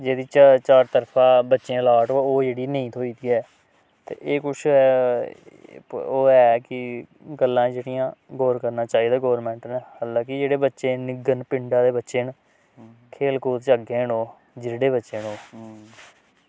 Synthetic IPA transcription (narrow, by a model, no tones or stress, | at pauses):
d͡ʒeːd̪iːt͡ʃːt͡ʃaːɾt̪əɾpʰãːbətːʃẽːlaːʈooːd͡ʒeːɽiːnəĩːt̪ʰoːiːt̪iːɛː | t̪ḛːʔeːkʊt͡ʃʰː | oːɛːkɪ | ɡəlːãːd͡ʒeːɽijãːɡɔːɾkəɾnaːt͡ʃaːiːd̪aːɡɔːɾmɛ̃ːɳʈnɛːhaːlãːkɪd͡ʒeːɽeːbətːʃeːnɪɡənpɪɳɖãːd̪eːbətːʃeːn | kʰeːlkoːt̪t͡ʃəɡẽːnoː | d͡ʒɪɽeːbətːʃeːnoː